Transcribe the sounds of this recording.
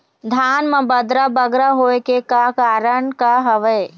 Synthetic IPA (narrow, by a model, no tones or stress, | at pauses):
d̪ʱaːnmə̃bəd̪ɾabəɡɾaɦoːekekakaːɾəɳkaɦɐʋə